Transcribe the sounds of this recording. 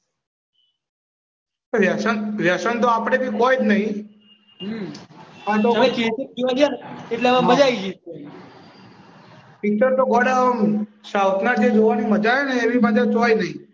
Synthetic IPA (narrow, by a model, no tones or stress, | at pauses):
oʋjasənʋjasənt̪̬oapɽ̃ebʱikojd͡ʒnəɦĩ | ɦ | ãt̪oekisik̚d͡ʒiʋadjaneeʈlemə̃məd͡ʒaid͡ʒiso | pik̚t͡ʃəɾt̪oɡɔɽanũsawt̪nad͡ʒed͡ʒoʋaniməd͡ʒajeneːʋibad͡ʒat͡ʃojnəɦĩ